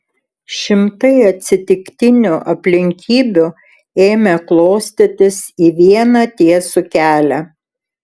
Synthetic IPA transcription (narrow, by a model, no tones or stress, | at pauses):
ʃʲɪmt̪ɐɪɐt̪ʲsʲɪt̪ʲɪkt̪ʲɪnʲʊʔɐpʲlʲɪŋʲkʲiːbʲʊ | eːmʲɛklˠoːsʲt̪ʲɪt̪ʲɪsiːʋʲiɛnɐt̪ʲiɛsʊkʲæːlʲæ